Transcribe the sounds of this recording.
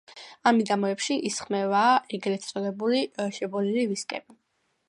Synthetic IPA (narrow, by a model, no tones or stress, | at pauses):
amidamɔɛpʃiʔisχmɛvaːʔɛɡɾɛt̪sʼɔd̪ɛbuliʃɛbɔliliviskʼɛ̰bi